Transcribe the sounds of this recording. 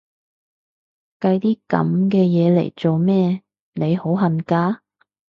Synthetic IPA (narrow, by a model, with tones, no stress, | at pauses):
kɐ˧jt̪iː˥kɐ̰˨˥mkɛː˧jɛː˨˧lḛ˨˩jt͡so˨wmɛː˥ | ne˨˧jho˨˥wɦɐ˨nkaː˧